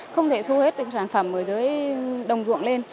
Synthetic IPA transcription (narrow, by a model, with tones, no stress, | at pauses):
xə˧wŋ͡mt̪ʰe˧˩so˧he˦˥t̚t̪ə˨˩˦saː˧˩nfə˧˩mʔəː˧˩jzəː˨˦jɗə˨˩wŋ͡mzṵ˧˨əŋle˧n